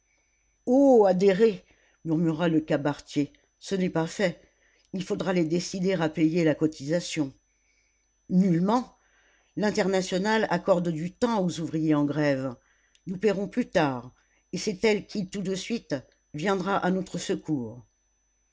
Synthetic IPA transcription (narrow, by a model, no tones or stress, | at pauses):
oad̪eʁe | myʁmyʁaləkabaʁt̪je | sənɛpafɛ | ilfod̪ʁaled̪esid̪eʁapɛjelakɔt̪izasjɔ̃ | nylmɑ̃ | lɛ̃t̪ɛʁnasjɔnalakɔʁd̪d̪yt̪ɑ̃ozuvʁijeɑ̃ɡʁɛv | nupɛʁɔ̃plyt̪aːʁ | esɛt̪ɛlkʲit̪ud̪əsɥit̪ | vjɛ̃d̪ʁaʔanɔt̪χəsəkuːʁ